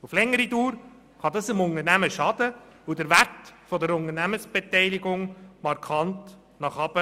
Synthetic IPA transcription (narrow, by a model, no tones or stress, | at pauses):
uflɛŋːəɾiduːɾ | χɑd̪ɑsɪmʊnənæməʃɑd̥̪ə | udəɾvæɾtfɔd̪əɾʊnəɾnæməsb̥etɛɪliɡʊŋmɑɾkʰɑnt | nɑχɑb̥ə